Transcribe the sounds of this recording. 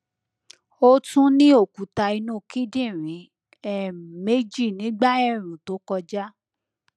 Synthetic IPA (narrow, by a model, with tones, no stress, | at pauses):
o˦tũ˦nĩ˦o˦˨ku˨ta˧i˧nũ˦˨ki˦dĩ˦˨ɾ̃ĩ˨˦ | ɛ˦me˦d͡ʒi˦˨nĩ˨˦ɡ͡ba˦ɛ˦˨ɾ̃ũ˨to˨˦kɔ˧d͡ʒa˦